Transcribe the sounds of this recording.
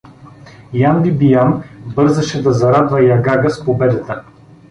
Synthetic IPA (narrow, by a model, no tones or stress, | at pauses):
jand̪ibijanbɤɾzəʃɛd̪ɐzɐɾad̪vɐjaɡaɡəspobɛd̪ɐt̪ə